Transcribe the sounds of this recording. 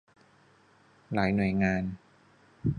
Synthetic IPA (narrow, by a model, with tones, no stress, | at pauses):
laː˩˦jnu˨˩əjŋaː˧n